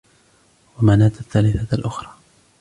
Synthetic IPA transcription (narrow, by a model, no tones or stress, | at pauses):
wamaʕnaːt̪aθːaːlɪθalʔʊxɾˤɑː